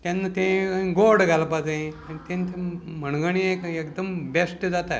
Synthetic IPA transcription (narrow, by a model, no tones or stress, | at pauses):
t̪anːat̪ẽɡoɾɽɡʱalpad͡zaĩat̪ẽnt̪ẽm̤əɳɡəɳ̃iekekd̪əmbesʈd͡zat̪a